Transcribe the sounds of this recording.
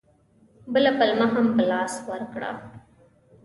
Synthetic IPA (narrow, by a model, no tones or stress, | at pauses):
bəlapɐlmaɦɐmbəlɑːswɐɾkɽa̰ː